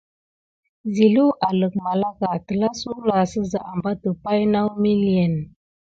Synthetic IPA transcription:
zi˨lu˦ʔa˨lə˨k̚ma˨la˦ka˨tə˨la˦su˦la˨sə˦za˨ʔa˨mba˦tə˨pa˦jna˦wmi˦li˨e˨n

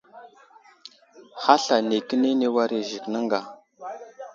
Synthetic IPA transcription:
ha˦ɬa˨ne˨kə˦ne˦ne˦wa˦ɾe˨ʒi˨knə˦ŋɡa˨

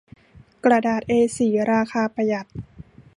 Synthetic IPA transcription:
kɾa˧daː˨˩t̪̚ʔeː˧siː˨˩˦ɾaː˧kʰaː˧pa˧ja˨˩t̪̚

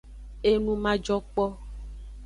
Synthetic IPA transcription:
e˦nũ˦mã˦d͡ʒɔ˦k͡pɔ˦

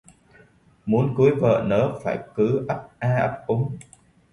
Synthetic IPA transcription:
mu˨˦ənku˨˦jvə̰ː˧˨nə̰ː˨˦faː˧˩jkɨ˨˦ʔə˦˥p̚ʔaː˧ʔə˦˥p̚ʔʊ˨˦ŋ͡m

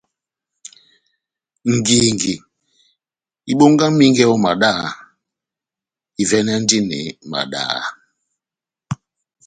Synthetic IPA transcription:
ŋ̩˨ɡi˨ŋɡi˨ | i˨ɓo˦ŋɡa˦mi˦ŋɡɛ˦ɔ˦ma˨ɗa˦ | i˨vɛ˦nɛ˦n̩˦di˦nɛ̰˨ma̰˨ɗa̰˦

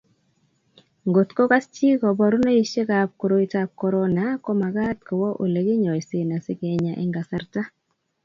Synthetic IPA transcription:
ŋɡo˨tko˦ka˦st͡ʃi˦kɔ˨bɔ˨ɾu˦ne˦i˦ʃe˦ka˨p̚ko˨ɾo˦i˦ta˦p̚kɔ˦ɾɔ˦na˦kɔ˦ma˨ɡa˦tkɔ˨wɔ˦ʔo˨le˨ɡi˦ɲɔ˨jsɪ˨na˨sɪ˦kɛ˨ɲa˨ʔɪ̰˦ŋɡa˨sa˦ɾta˦

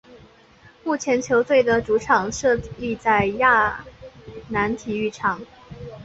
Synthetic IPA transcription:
mu˥˩t͡ɕʰjɛ˧˥nt͡ɕʰjo˧˥ʊt͡swe˥˩ɪd̪ə˩ʈ͡ʂu˧˥ʈ͡ʂʰɑ˨˩ŋʂɤ˥˧li˥˧t͡sa˥˧ɪja˥˩ | na˧˥nt̪ʰi˨˩y˥˩ʈ͡ʂʰɑ˨˩˦ŋ

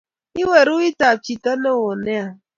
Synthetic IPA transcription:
i˦we˨ɾu˦i˦ta˨t͡ʃi˨ta˦ne˦wo˨ne˦a˨

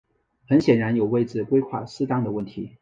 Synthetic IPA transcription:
xə˧˥nɕjɛ˨˩nɻa˧˥njo˨˩ʊwe˥˩ɪd͡zɹ̩˨˩kwe˥ɪxwa̰˥˩sɹ̩˥t̪ɑ˥ŋd̪ə˨wə˥˩nt̪ʰi˧˥

